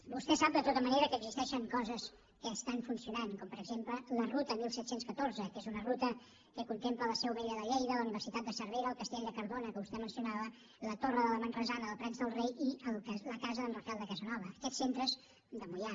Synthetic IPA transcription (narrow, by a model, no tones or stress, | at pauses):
bust̪ɛsap̚d̪ət̪ot̪əməneɾəkəːɡzist̪ɛʃəŋkɔzəs | kəːst̪anfunsiunankɔmpəɾəɡzemplələrut̪əmilˠsɛt̪senskət̪oɾzəkezunərut̪ə | kəkunt̪emplələseəβeʎəðəʎejðələuniβ̞ərsit̪at̪̚d̪əsəɾβejɾəːlˠkəst̪ɛʎd̪əkəɾðonəkəβust̪ɛmənsiunaβə | lət̪orəðələmənrəzanəðəlˠpɾɛnzðəlˠrejiəlˠləkazəðəlˠmuɾt̪alˠd̪əkazənɔβəːkɛsːent̪ɾəz | d̪əmuja